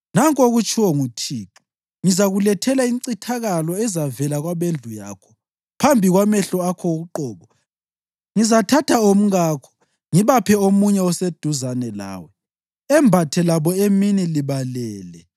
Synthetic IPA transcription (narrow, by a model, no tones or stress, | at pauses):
naŋkʼoɣut͡ʃʰʼiwɔŋutʰiːǁu̥ | ŋizaɣulɛtʰɛlainǀitʰaɣalɔɛzavɛlaɣwaβend͡ɮʱuja̰ːkʰɔ̥ | pʰambʱiɣwamɛɬɔakʰɔuɣuǃɔːβɔ | ŋizatʰatʰaom̩ɣaːkʰɔ̥ | ŋiβapʰɛomuɲɛɔsed̥ʱuzanɛla̰ːwɛ | ɛmbʱatʰɛlaβɔeminiliβalɛːlɛ